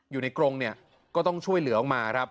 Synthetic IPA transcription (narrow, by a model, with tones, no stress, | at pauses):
juː˨˩na˧jkɾo˧ŋni˥˩ɐ | kɔː˥˩t̪ɔ˥˩ŋt͡ɕʰu˥˩əjlɯ˩˦ɐʔɔ˨˩maː˧kʰɾa˦˥p̚